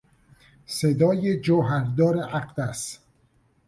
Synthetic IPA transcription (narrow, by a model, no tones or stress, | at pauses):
sed̪ɒːjed͡ʒoɦæɾd̪ɒːɾeʔæqd̪æs